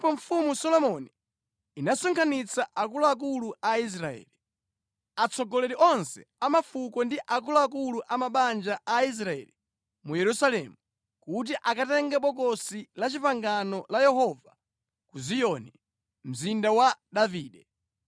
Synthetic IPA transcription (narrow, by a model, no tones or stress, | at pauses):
ipɔɱfumusɔlɔmɔniː | nasɔŋkʰanit͡saʔak̬ulɔak̬uluais̬ɾaɛ̰ːli | at͡sɔɡɔlɛɾiʔɔnsɛamafukɔndiʔakulɔak̬uluʔamaɓand͡ʒaʔais̬ɾaɛ̰ːli | mujɛɾusalɛmu | kut̬iʔakatɛŋɡɛɓɔk̬ɔsilat͡ʃipaŋɡanɔlajɛɦɔva | kuzijɔnɛ | m̩zindawaɗaviːɗɛ